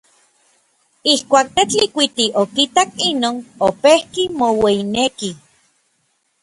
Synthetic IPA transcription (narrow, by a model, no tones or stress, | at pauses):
ihkʷaːk̚t̪et͡ɬikʷit̪iʔokit̪akinoːnopehkimoweineki